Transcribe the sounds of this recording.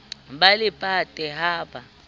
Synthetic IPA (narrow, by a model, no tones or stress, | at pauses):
ɓalɪpʼatʼɛɦaːpʰa